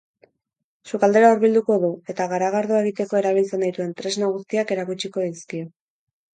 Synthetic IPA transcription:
sukald̪e̞ɾaoɾβild̪uko̞ðue̞t̪aɣaɾaɣ̞aɾðoe̞ɣit̪e̞ko̞e̞ɾaβ̞ilt͡se̞najt̪ue̞nt̪ɾe̞znaɣ̞ust̪iake̞ɾakut͡ʃiko̞ðiskio̞

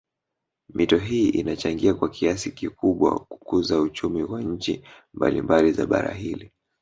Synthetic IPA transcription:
mʔitɔɦiːʔinat͡ʃaŋɡiakwakʰiasikikuɓwa̰ku̥kuzaut͡ʃumiwaɲ̩t͡ʃi | mba̰lḭmbaliza̰ɓa̰ɾa̰ɦili

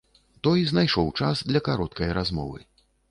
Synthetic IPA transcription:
t̪ɔjznajʂɔwt͡ʂasd̪lʲɐkaɾɔt̪̚kɐjɾazmɔ̰vɨ̰

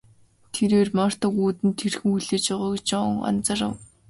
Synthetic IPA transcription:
t̪ʰeɾeːrmar̥t̪ɔːɣuːt̪ɘ̆nt̪ʰerxɘ̆ujɮeːt͡ɕɔʁɔːɡet͡ɕɔɔŋɔ̰nt͡sə̆rə̰̆w

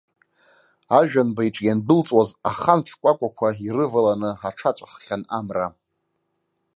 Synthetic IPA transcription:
aʒᶣanbaiʈ͡ʂʼjandɨlt͡sʼwazaχant͡ʃʷʰkʷʼakʷʼakʷʰairɨvalanɨaʈ͡ʂʰat͡ʃʷʼaχχʲanamra

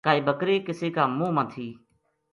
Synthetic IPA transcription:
kaːiːbəkɾeːkɪseːkaːmũːmãːt̪ʰiː

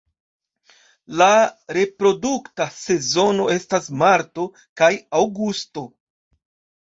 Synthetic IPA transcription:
laɾe̞pɾo̞duktase̞zo̞no̞e̞stasmaɾto̞ | kajawɡusto̞

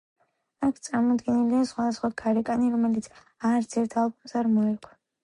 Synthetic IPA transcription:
akʰt̪sʼaɾmɔd̪ɡɛnɛliasχwad̪asχwakʰaɾɛkʼaniɾɔmɛlit̪sʰ | aɾsʰɛɾt̪ʰalˠbɔmsaɾmɔɛkʰwɛ

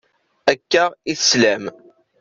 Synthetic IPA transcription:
ækːaʁiθslæm

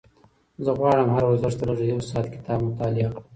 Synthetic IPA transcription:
zəɣwɑːɽəmhaɾawazaʃt̪əɾaʐəjawsɑːt̪kɪ̥t̪ʰɑːbmʊt̪ɑːlɪq

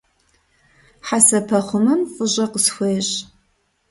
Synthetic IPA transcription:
ħasɐpʰɐχʷʊmɨmfʼɨʑʼɐqəsxʷeːɕʼ

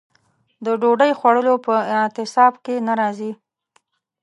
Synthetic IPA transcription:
d̪əɖoɖəjxwaɽəlopəɪt̪ɪsɑbkenaɾɑzi

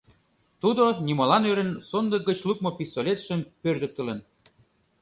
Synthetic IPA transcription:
t̪ud̪onʲimɑlɑnøɾə̆nsond̪əɡət͡ɕluk̚mopist̪olʲet̪ʃə̆mpørd̪ə̆k̚t̪ə̆lə̆n

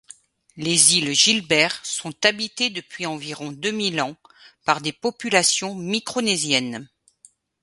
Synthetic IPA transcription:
lezilʒilbɛʁsɔ̃t̪abit̪ed̪əpɥiɑ̃viʁɔ̃d̪ømilɑ̃paʁd̪epɔpylasjɔ̃mikχonezjɛn

